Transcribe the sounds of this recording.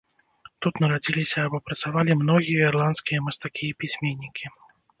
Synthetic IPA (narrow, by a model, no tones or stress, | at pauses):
t̪ut̪nɐɾad͡zʲilʲisʲɐːbɔpɾɐt̪savalʲimnɔɣʲijɐirlˠant̪skʲijɐmɐst̪akʲipʲisʲmʲenʲːikʲi